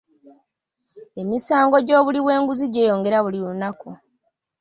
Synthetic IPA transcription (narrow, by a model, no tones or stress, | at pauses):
e̞misaːŋɡo̞ɟo̞ːβuliβwe̞ːŋɡuziɟe̞ːjo̞ːŋɡe̞ɾaβuliɾunaku